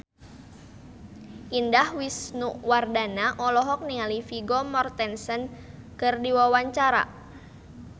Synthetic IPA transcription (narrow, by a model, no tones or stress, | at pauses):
ʔindahwisnuʔwardanaʔɔlɔɦɔk̚nialifiɡɔmɔrt̪ɛnsən | kɨrdiwawaɲt͡ʃaɾa̰